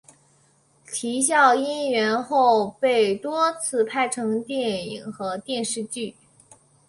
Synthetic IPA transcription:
t͡ɕʰi˧˥ɕ̬jɑ˥˩ʊi˥nɥɛ˧˥nxo˥˧ʊpe˥˩ɪt̪wɔ˥t͡sʰɹ̩˥˧pʰa˥˩ɪʈ͡ʂʰɤ˧˥ŋt̪jɛ˥˩nḭ˨˩ŋxɤ˧˥t̪jɛ˥˧nʂɻ̩˥˧t͡ɕy˥˩

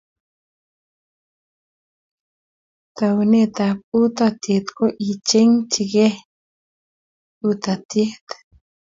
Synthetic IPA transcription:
t̪a˨wne˦t̪a˨p̚u˦t̪at̪je˨t̪ko˦ʔi˨t͡ʃe˦ŋt͡ʃi˨ɡe˦ | ut̪a˨t̪e˦t̪

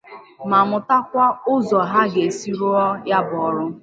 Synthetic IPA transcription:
ma˨mʊ˨ta˦kʷa˦ʊ˦zɔ˨ɦa˦ɡe˨si˦ɾo˦ɔ˦ja˦bɔ˨ɔ˦ɾʊ˦

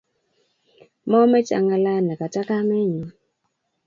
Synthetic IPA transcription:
mɔ˦mɛ˦t͡ʃa̰˨ŋa˨la˦na˨ka˨ta˦ka˦mɛ˦ɲɔ˨

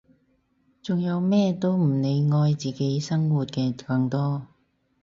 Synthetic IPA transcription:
t͡sʊ˨ŋjɐ˨˧wmɛː˥t̪o˥wm̩˨˩ne˨˧jŋɔː˧jt͡siː˨˩ke˨˥jsɐ˥ŋwuː˨t̚kɛː˧kɐ˧ŋt̪ɔː˥

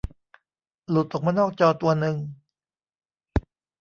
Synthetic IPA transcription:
lu˨˦˩t̪̚ʔoː˨˩kmaː˧nɔː˥˩k̚t͡ɕɔː˧t̪u˧ɐnɯ˧ŋ

